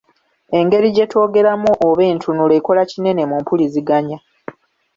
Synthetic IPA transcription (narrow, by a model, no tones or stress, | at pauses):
e̞ŋɡe̞ɾiɟe̞tʰo̞ːɡe̞ɾamuʔoβe̞ːntʰunule̞ko̞lacine̞ne̞muːmpuliziɡaɲa